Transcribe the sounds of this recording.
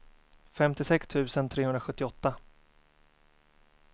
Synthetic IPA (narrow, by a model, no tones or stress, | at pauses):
fɛmt̪ɪsɛkst̪ʰʉ̟ːsənt̪ʰɾeːhɵnd̪ɾaɧɵt̪ːɪɔt̪ːa